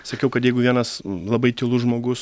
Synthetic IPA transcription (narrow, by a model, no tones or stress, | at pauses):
sɐkʲɛʊkɐt̪jɛɪɡʊʋʲiɛnɐslˠɐbɐɪt̪ʲɪlˠʊʒmoːɡʊs